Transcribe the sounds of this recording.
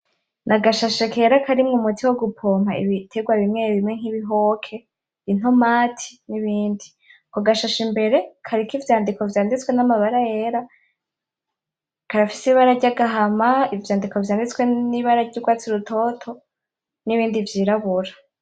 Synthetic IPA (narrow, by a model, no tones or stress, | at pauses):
nʔaɡaʃaʃekeɾakaɾimŋumutʰiwoɡupʰo̞ːm̥aḭβitʰeɡwaβimŋeβimŋe̞ŋ̥iβiɦokʰe̞ | in̥o̞maːtʰi̥niβiːndi | koɡaʃaʃimbe̞ɾe̞kʰaɾikivjaːndiko̞vjaːndit͡swe̞namaβaɾaje̞ɾa | kaɾafisiβaɾaɾɟaɡaɦamaivjaːndiko̞vjaːndit͡sweniβaɾaɾɟuɡwaːt͡siɾutʰo̞tʰo̞ | niβiːndivjiːɾaβuɾa